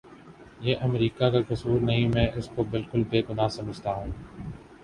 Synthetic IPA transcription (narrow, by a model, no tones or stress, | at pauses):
jeːʔɐmɾiːkakakɐsuːɾnɐɦĩmẽːɪskobɪlkʊlbeːɡʊnaːsɐməd͡ʒʱt̪aɦũː